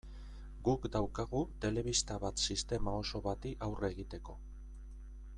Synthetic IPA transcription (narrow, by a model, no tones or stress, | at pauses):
ɡukd̪awkaɣut̪e̞le̞β̞ist̪aβat̪sist̪e̞mao̞so̞βat̪iʔawre̞ːɣit̪e̞ko̞